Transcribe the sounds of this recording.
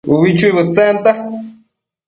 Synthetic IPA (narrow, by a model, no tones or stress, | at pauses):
wit͡ʃuβɨt͡sent̪a